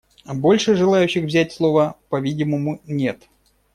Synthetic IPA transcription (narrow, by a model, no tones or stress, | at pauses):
bo̞lʲʂɨʐɨlˠajʉɕːɪxvzʲætʲslˠo̞vəpɐvʲidʲɪməmʊnʲe̞t̪